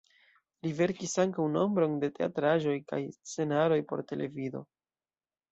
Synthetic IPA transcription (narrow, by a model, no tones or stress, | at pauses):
live̞ɾkisaŋkawno̞mbɾo̞nde̞te̞a̰tɾaʒo̞jka̰jst͡se̞naɾo̞jpo̞̰ɾte̞le̞̰vido̞̰